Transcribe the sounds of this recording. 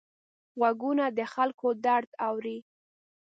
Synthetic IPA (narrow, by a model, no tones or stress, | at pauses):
ɣaɡunad̪əxalkod̪aɽt̪awɾi